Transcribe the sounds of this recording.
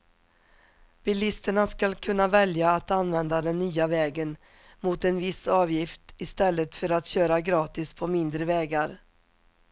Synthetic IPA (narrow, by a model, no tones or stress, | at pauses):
b̥ɪlɪst̪əɳaskalkʰɵnːavɛljaːt̪anvɛnd̪ad̪ɛnːyːavɛːɡən | mʊt̪ɛnvɪsɑːvjɪft̪ɪst̪ɛlːət̪fœɾat̪ɕøːɾaɡɾɑːt̪ɪspʰɔmɪnd̪ɾəvɛːɡaɾ